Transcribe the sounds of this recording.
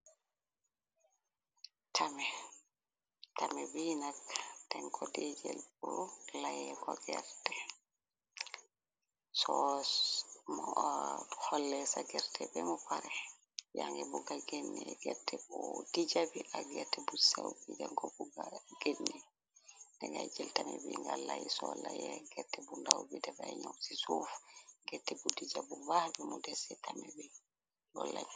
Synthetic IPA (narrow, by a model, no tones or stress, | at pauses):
tʰamɛ | tamɛbinaktɛŋkʰɔdɛd͡ʒɛ̰lbɔlajɛkɔɡɛ̰ɾtɛ | sɔ | m | hɔlːɛsaɡɛɾtʰɛbɛmɔpaɾɛ | jaŋɡɛbuɡaɡenːɛɡɛtːɛbɔdid͡ʒabiʔaɡɛtːɛbusawbidɛŋkɔbuɡaɡ̥enːɛ | ndɛŋɡad͡ʒɛltamɛbiŋɡalajisɔlajɛɡɛtːɛbundawbidɛbaɛɲawsisufɡɛtːɛbudid͡ʒabubahbɛmudɛsɛtamɛbi | ɡɔlːaɲ